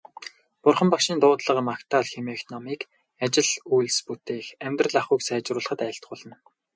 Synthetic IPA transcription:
pʊrχə̆mpakʃiːnt̪ʊːt̪ɮə̆qə̆makt̪ʰaɮxemeːxnɔmiːk | at͡ɕɪ̆ɮujɮsput̪eːxæmʲt̪rə̆ɮaχuːksæːt͡ɕrʊːɮə̆χə̆t̪ajə̆ɬt̪̚ɢʊːɮə̆n

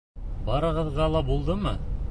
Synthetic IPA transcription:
bɑɾɤ̆ʁɤ̆ðʁɑlˠɑbulˠd̪ɤmɤ

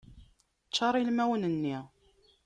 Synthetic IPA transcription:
t͡ʃːɑɾˤilmæwənənːi

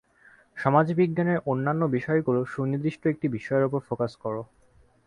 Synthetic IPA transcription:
ʃɔmad͡ʑibiɡɡaneɹʔonːanːobiʃɔekoloʃunid̪ɾiʃʈoek̚ʈibiʃɔeɾopoɾfokaskɔɹo

